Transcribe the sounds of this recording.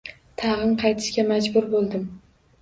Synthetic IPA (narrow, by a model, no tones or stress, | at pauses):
t̪ʰɑʁɨnqʰɑjt̪ʰɪ̥ʃkʲamad͡ʒbʊɾbolˠd̪ɪm